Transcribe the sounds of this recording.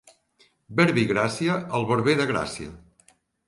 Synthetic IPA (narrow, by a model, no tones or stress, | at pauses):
bɛɾβiɣɾasiəəlˠβəɾβeðəɣɾa̰siə̰